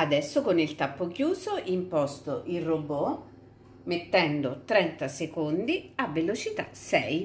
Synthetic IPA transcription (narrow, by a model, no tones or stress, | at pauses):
ad̪ɛsːokonilt̪apːokjuːsoʔimpɔst̪oʔirobɔ | met̪ːɛnd̪ot̪ɾɛnt̪asekond̪iavːelot͡ʃit̪a̰sɛj